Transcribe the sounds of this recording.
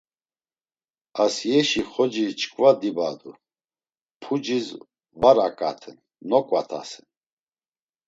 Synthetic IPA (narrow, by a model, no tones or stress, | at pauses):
asjɛʃiχɔd͡ʒit͡ʃʰʼkʼvad̪ibad̪u | pʰud͡ʒiz | vaɾakʼa̰t̪ʰɛn | nɔkʼwat̪ʰa̰sɛn